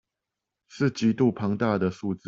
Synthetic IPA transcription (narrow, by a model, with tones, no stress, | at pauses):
ʂɻ̩˥˨t͡ɕi˧˥t̪u˥˨pʰɑ˧˥ŋt̪a˥˨d̪ə˨ʂu˥˧t͡sɹ̩˥˩